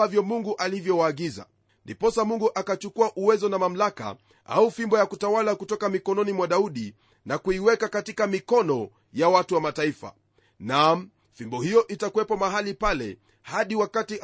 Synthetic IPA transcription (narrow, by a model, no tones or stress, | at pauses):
avjɔmuŋɡuʔalivjɔwaːɠiza̰ | ndipɔsamuŋɡuʔakat͡ʃukuaʔuwɛzɔnamam̩laka̰ | ʔa̰ufimbɔjakutawalakutɔkamikɔnɔnimwaɗauɗi | nakuiwɛkakatikamikɔnɔ | jawatuwamataifa̰ | nam | fimbɔhijɔʔitakuwɛpɔmaɦalipalɛ̰ | haɗiwakati